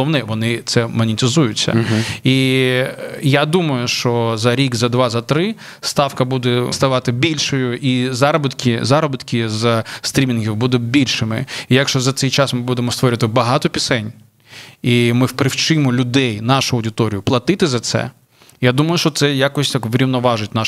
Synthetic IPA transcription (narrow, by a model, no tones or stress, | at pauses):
ɔwnɛʋɔnɪt̪sɛmɔnʲɪt̪ʲɪzujʊt͡sʲːɐ̰i | jad̪umɐjʊʃt͡ʃɔzɐɾʲikzɐd̪ʋɑzɐt̪ɾɪ | st̪ɑwkɐbud̪ɛst̪ɐʋɑt̪ɪbʲilʲʃɔjʊʔizɑɾɔbɪt̪kʲɪzɑɾɔbɪt̪kʲɪzst̪ɾʲimʲinɦʲiwbud̪ɛbʲilʲʃɪmɪ̰ijɐkʃt͡ʃɔzɐt̪sɛjt͡ʃasmɪbud̪emɔst̪ʋɔɾɪʋɐt̪ɪbɐɦɑt̪ɔpʲisɛnʲ | imɪwpɾɪwt͡ʃɪmɔlʲʊd̪ɛjnɑʃʊɐwdʲɪt̪ɔɾʲijʊplˠɐt̪ɪt̪ɪzɐt̪sɛ̰ | jad̪umɐjʊʃt͡ʃɔt̪sɛjakɔsʲt̪akʋɾʲiwnɔʋɑʒɪtʲnɑ